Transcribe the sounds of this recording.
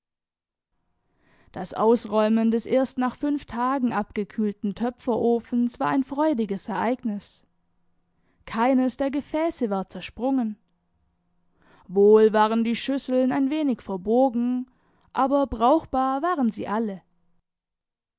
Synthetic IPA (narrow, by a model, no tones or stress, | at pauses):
d̥asʔa̰ʊsʁɔʏməndɛsʔeːɐstnaːχfʏnftʰaːɡŋ̩ʔapɡ̥əkʰyːltn̩tʰœpfɐʔoːfn̩sv̥aːɐʔaɪnfʁ̥ɔʏdɪɡəsɛɐʔaɪɡnɪs | kʰaɪnəsd̥eːɐɡəfɛːsəvaːɐt͡sɛɐʃpʁ̥ʊŋən | voːlvaːʁəndiːʃʏsl̩naɪnveːnɪçfɛɐbɔɐɡŋ̩ | ʔaːbɐbʁaʊxb̥aːɐvaːʁənzḭːʔalə